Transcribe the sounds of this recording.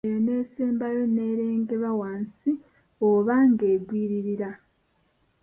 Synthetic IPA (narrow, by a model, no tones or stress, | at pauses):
jene̞ːseːmbajo̞ne̞ɾeːŋɡe̞βawaːnsi | oβaŋɡe̞ːɡwiːɾiɾiɾa